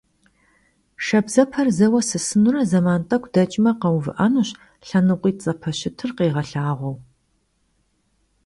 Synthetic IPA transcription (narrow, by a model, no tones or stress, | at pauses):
ʃɐbzɐpʰɐrzɐwɐsɨsɨnurɐzɐmaːntʼɐkʷʰdɐt͡ʃʼmɐqɐwvɨ̰ʔɐnuɕ | ɬɐnɨqʷʼiːt͡sʼɐpʰɐɕɪtʰɨrqeːʁɐɬaːʁʷɔw